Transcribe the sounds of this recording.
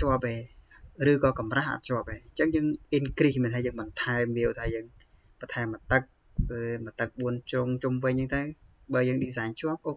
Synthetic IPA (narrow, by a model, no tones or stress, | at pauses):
t͡ɕoəp̚ʔeːrɨːkɑːkɑmraːhʔa̰t̪̚t͡ɕʰŏəp̚ʔeːɲt͡ɕəŋjəːŋʔinkrihmiənt̪ʰaːjəːŋɓɑnt̪ʰaɛmːiəʔt̪ʰaːjəːŋ | pɑt̪ʰaɛmːət̪ɨk̚ | ʔəːmət̪ɨk̚ɓuənt͡ɕrʊŋt͡ɕumʋɨɲt͡ɕəːŋt̪əw | ɓaːjəːŋɗiːsaɛɲt͡ɕŏəp̚ʔo